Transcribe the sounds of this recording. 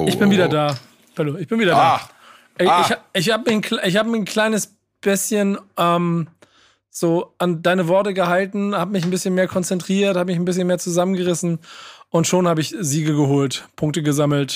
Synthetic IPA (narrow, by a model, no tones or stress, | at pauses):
ʔɪçb̥ɪnviːdɐdaː | pɛɐloːɪçb̥ɪnviːdɐdaː | ʔɛɪaʔɪçhaːbəmɪçn̩kʰlʔɪç̬haːbəmɪçn̩kʰl̥aɪnəs | b̥ɪsçənʔɛːm | z̥oːʔandaɪnəvɔɐtəɡəhaltn̩haːbəmɪçn̩bɪsçənmeːɐkʰɔnt͡sɛntʁ̥iːɐthaːbəmɪçn̩bɪs̬çənmeːɐt͡suzamənɡəʁɪsn̩ʔʊntʃoːnhaːbəɪçziːɡəɡəɦoːltpʰʊŋk̚təɡəzaml̩t